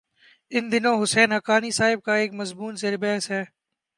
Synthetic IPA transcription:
ɪnd̪ɪnõːɦʊsɛːnɦəkaːniːsaːɦɪb̚kaːeːkməzmuːnseɾbɛːsɦɛː

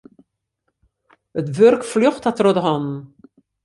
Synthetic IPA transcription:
ətʋørkfløχthatrɔdəɦɔnn̩

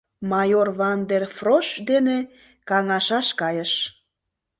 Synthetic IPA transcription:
mɑjorβɑnd̪erfroʃd̪ene | kɑŋɑʃɑʃkɑjəʃ

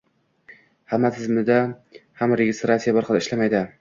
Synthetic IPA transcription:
hamːat̪ʰɪzmɪd̪ahamɾeɡʲɪst̪ɾat̪sijabɪɾχɑlˠɪʃlamajd̪ɪ

